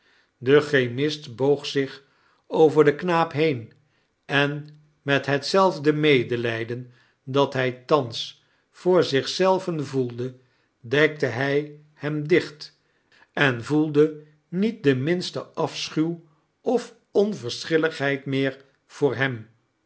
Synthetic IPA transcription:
dəχejmɪstbowχsɪχ | owvəɹdəknaːpɦejn | ʔɛn | mɛtɦətsɛlˠvdəmejdəlɛjdən | dɑtɦɛjtɑns | fʊːɹzɪχsɛlˠvənvulˠdə | dɛk̚təɦɛj | hɛmdɪχt | ɛnvulˠdə | nit̚dəmɪnstəʔɑfsχyw | ɔf | ɔnvəɹsχɪləχɦɛjtmɪːɹ | v̥ʊːɹɦɛm

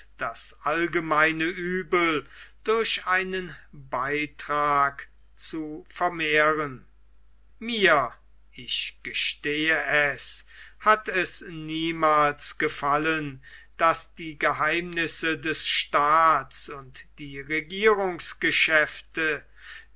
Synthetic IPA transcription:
d̥asʔalɡəmaɪnəʔyːbl̩d̥ʊɐɕaɪnənbaɪtʁ̥aːk | t͡sufɛɐmeːʁən | miːɐ | ɪʃɡ̥əʃteːəʔɛshatʰɛsniːmaːlsɡ̥əfalənd̥asd̥iːɡəɦaɪmnɪsədɛsʃtaːtsʊntd̥iːʁeɡiːʁʊŋsɡ̥əʃɛftə

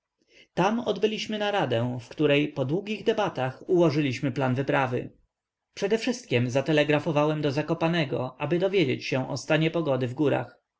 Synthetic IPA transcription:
t̪amɔd̪bɘlʲiɕmɘnaɾad̪ɛ̃w̃fkt̪uɾɛjpɔd̪wuɡʲiɣd̪ɛbat̪axuwɔʐɘlʲiɕmɘplanvɘpɾavɘ̰ | pʂɛd̪ɛfʂɘst̪̚kʲɛmzat̪ɛlɛɡɾafɔvawɛmd̪ɔzakɔpanɛɡɔʔabɘd̪ɔvʲjed͡ʑet͡ɕɕɛ̃ʔɔst̪aɲɛpɔɡɔd̪ɘvɡuɾa̰x

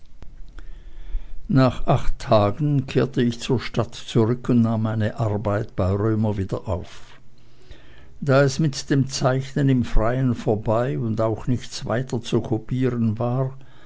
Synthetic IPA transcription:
naːχʔaχtʰːaːɡn̩kʰeːɐtəɪçt͡suːɐʃtatt͡suʁʏkʰʊntnaːmːaɪnəʔaʁbaɪtb̥aɪʁøːmɐviːdɐʔaʊf | d̥aːɛsmɪtd̥eːmt͡saɪçnənɪmfʁ̥aɪənfoːɐbaɪʊndaʊxnɪçt͡sva̰ɪtɐt͡sukʰopʰiːʁənvaːʁ

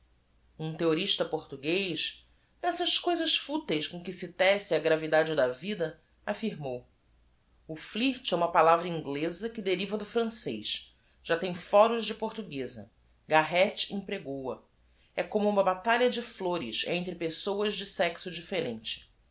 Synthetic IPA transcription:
ũt̪eoɾiʃt̪ɐpoɾt̪uɡejʃ | d̪ɛsɐʃkojzɐʃfut̪ejskõkɪsɪt̪ɛsɪɐɡɾavid̪ad͡ʒɪd̪ɐvid̪ɐ | afiɾmow | ʊfliht͡ʃɛũmɐpalavɾɐĩŋɡlezɐkɪd̪eɾivɐd̪ʊfɾɐ̃sejʃ | ʒ̥at̪ẽj̃fɔɾʊʒd͡ʒɪpoɾt̪uɡezɐ̰ | ɡaɦɛt͡ʃĩpɾeɡowɐ̰ | ɛkõmʊũmɐbat̪aʎɐd͡ʒɪfloɾɪsḛ̃t̪ɾɪpesowɐʒd͡ʒɪsɛksʊd͡ʒifeɾẽnt͡ʃɪ̥

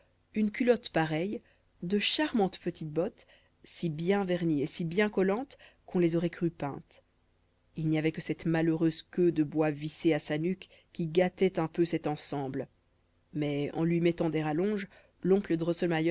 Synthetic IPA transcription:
ynkʲylɔt̪paʁɛj | d̪əʃaʁmɑ̃t̪pət̪ʰit̪̚bɔt̪ | sibjɛ̃vɛʁniesibjɛ̃kɔlɑ̃t̪kɔ̃lezɔʁɛkχypɛ̰̃t̪ | ilnijavɛkəsɛt̪maløʁøzkød̪əbwaviseasanyk | kʲːiɡat̪ɛt̪ɛ̃pøsɛt̪ɑ̃sɑ̃bl | mɛɑ̰̃lɥimɛt̪ɑ̃d̪ɛʁalɔ̃ʒ | lɔ̃kləd̪əʁɔsɔlmajɔ

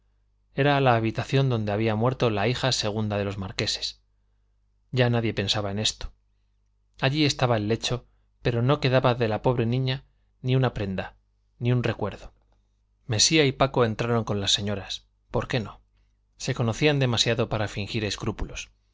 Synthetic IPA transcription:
e̞ɾaːlaːβit̪aθjo̞nd̪o̞nd̪e̞aβiamwe̞ɾt̪o̞laixase̞ɣ̞und̪aðe̞lo̞zmaɾke̞se̞̥s | ɟ͡ʝanaðje̞pe̞nsaβae̞ne̞st̪o̥ | aʎie̞st̪aβaelːe̞t͡ʃo̞ | pe̞ɾo̞no̞ke̞ðaβaðe̞lapo̞βɾe̞nĩɲa | niunapɾe̞nd̪a | niunre̞kwe̞ɾðo̞ | me̞siaipako̞e̞nt̪ɾaɾo̞ŋko̞nlasːe̞ɲo̞ɾas | po̞ɾke̞no̞ | se̞ko̞no̞θiand̪e̞masjaðo̞paɾafiŋxiɾe̞skɾupulo̞s

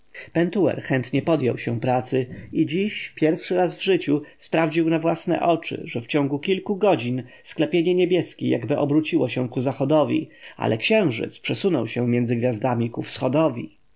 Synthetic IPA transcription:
pɛnt̪uwɛ̰ɾxɛnt̪ɲɛpɔd̪jɔ̰wɕɛpɾat̪sɘid͡ʑiɕpʲjɛɾfʂɘɾazvʐɘt͡ɕuspɾavd͡ʑiwnavwasnɛ̰ʔɔt͡ʂɘ̰ʐɛft͡ɕɔ̃ŋɡukʲilkuɡɔd͡ʑin | sklɛpʲjeɲɛɲebʲjɛskʲija̰ɡbɘʔɔbɾut͡ɕiwɔɕɛkuzaxɔd̪ɔvʲḭa̰lʔɛkɕɛ̃w̃ʐɘ̰t̪spʂɛsunɔwɕɛ̃mʲjɛndzɘɡvʲjazd̪amʲikufsxɔd̪ɔvʲḭ

